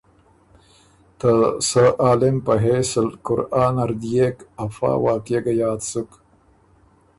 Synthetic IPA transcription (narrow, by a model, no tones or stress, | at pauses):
t̪ɐsɐʔaːlempɐɦesɐlkuɾaːnɐɾd̪ijekɐfa̰ːwaːkjeɡɐjaːt̪suk